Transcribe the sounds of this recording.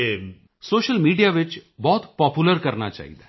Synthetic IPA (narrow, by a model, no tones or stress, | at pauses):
e | soːʃəlmiːɖijaːʋɪt͡ʃbɔːt̪pɔːpuləɾkɐɾna̰t͡ʃa̰ːɦḭt̪aː